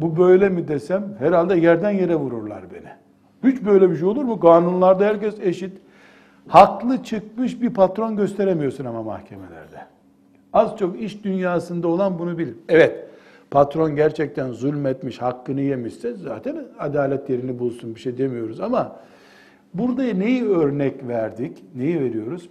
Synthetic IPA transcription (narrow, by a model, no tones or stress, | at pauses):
bubø̞jlʲɛmid̪esæmhɛɾalʲd̪ɛjæɾd̪ænje̞ɾɛvuɾuɾlˠa̰ɾbḛni | hyt͡ʃbø̞jlʲɛbiʃ̬ejo̞lˠuɾmuɡaːnunlˠaɾd̪ahæɾcɛseʃit̪ | haklˠɯt͡ʃʰɯk̚mɯʃbiɾpʰat̪ɾo̞nɟø̞st̪ʰe̞ɾemijo̞ɾsunamama̰hcʰemelʲæ̰ɾd̪ɛ | azt͡ʃʰo̞kiʃd̪ynjaːsɯnd̪ao̞lˠanbunubilʲimɛvɛt̪pʰat̪ɾo̞nɟæɾt͡ʃʰɛc̚t̪ʰænzulʲmɛt̪miʃhakːɯnɯjemiʃsɛza̰ːt̪ʰɛnad̪aːlʲɛt̪je̞ɾinibulˠsunbiʃejd̪e̞mijo̞ɾuzama | buɾd̪ajne̞jiøɾnɛcvæɾd̪icnejive̞ɾijo̞ɾuz̥